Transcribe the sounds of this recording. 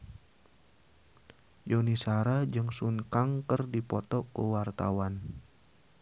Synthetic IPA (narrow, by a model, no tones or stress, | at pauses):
jonisaɾad͡ʒɨŋsuŋkaŋkərdipɔt̪ɔkəwart̪awan